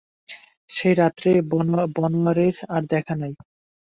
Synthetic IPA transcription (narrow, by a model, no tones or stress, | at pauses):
ʃejɾat̪ːɾebɔnoaɾeɾaɾd̪ɛkʰanaj